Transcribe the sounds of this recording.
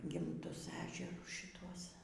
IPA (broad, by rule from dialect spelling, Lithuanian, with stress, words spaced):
ɡʲɪmˈtʊs ˈæːʒʲɛrʊs ʃʲɪˈtuɔs